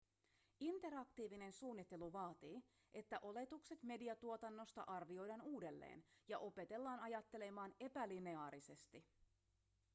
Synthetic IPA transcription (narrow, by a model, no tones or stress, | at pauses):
int̪e̞ɾɑkt̪iːʋine̞nsuːnːit̪ːe̞luʋɑːt̪iː | ʔe̞t̪ːæʔo̞le̞t̪ukse̞t̪me̞diɑt̪uo̞t̪ɑnːo̞st̪ɑ̰ʔɑrʋio̞jdɑːnuːde̞lːḛːnjɑʔo̞pe̞t̪e̞lːɑːnɑjɑt̪ːe̞le̞mɑːne̞pæline̞ɑːɾise̞st̪i